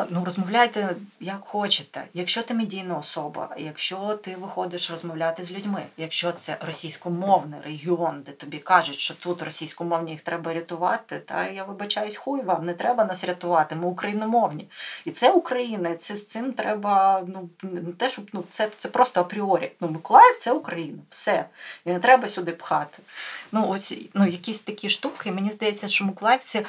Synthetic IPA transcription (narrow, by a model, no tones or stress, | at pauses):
nurɔzmɔʋwlʲajt̪ɛjɐkxɔt͡ʃɪt̪ɛ̰jɐkʃt͡ʃɔt̪ɪmedʲijnɐɔsɔbɐ̰jɐkʃt͡ʃɔt̪ɪʋɪxɔd̪ɪʃrɔzmɔwlʲat̪ɪzʲlʲʉdʲmɪjɐkʃt͡ʃɔt̪sɛrɔsʲijsʲkɔmɔwnɪreɦʲiɔnd̪ɛt̪ɔbʲikɑʒʊtʲʃt͡ʃɔt̪ut̪rɔsʲijsʲkɔmɔwnʲijixt̪ɾɛbɐɾʲɐt̪ʊʋɑ̰t̪ɪt̪ɐ̰jaʋɪbɐt͡ʃɑjʊsʲxujʋɑmnɛt̪ɾɛbɐnɑsɾʲɐt̪ʊʋɑt̪ɪmɪʊkɾɐjinɔmɔwnʲiit̪sɛʊkɾɐjinɐit̪sɛst̪sɪmt̪ɾɛbɐnunnʊt̪ɛʃt͡ʃɔbnut̪sɛt̪sɛpɾɔst̪ɔɐpɾʲɪɔɾʲḭjɐnumɪkʊlˠɑjʲfʲt̪sɛʊkɾɐjinɐwsɛinɛt̪ɾɛbɐsʲʊd̪ɪpxɑt̪ɪ̥nuɔsʲnujɐkʲisʲt̪ɐkʲiʃt̪ukɪmenʲizd̪ɐjɛt͡sʲːɐʃt͡ʃɔmɪkʊlˠɑjwʲt͡sʲi